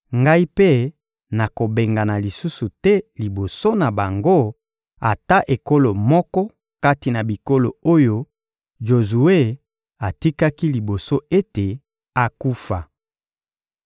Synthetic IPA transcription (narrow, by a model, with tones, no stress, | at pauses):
ŋɡa˦i˦pe˦ | na˨ko˨be˨ŋɡa˨na˨li˨su˦su˨tɛ˦li˨bo˨so˦na˨ba˨ŋɡo˦ | a̰˨ta˦ʔe˨ko˦lo˨mɔ˦kɔ˦ | ka˦ti˨na˨bi˨ko˦lo̰˨o˦jo˦ | ʒo˨zu˨e˦ | a˨ti˦ka˦ki˦li˨bo˨so˦e˦te˨ | a˨ku˦fa˨